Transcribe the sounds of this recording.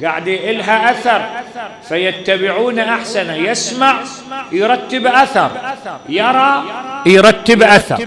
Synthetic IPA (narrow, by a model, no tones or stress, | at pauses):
ɡa̰ʕd̪jʔɪlɦaʔaθɑɾˤfajɪt̪ːabɪʕuːnaʔaħsanajɪsmaʕ | jɾˤɑt̪ːɪbʔaθɑɾˤjɑɾˤɑːjɾˤɑt̪ːɪbʔaθɑ̰ɾˤ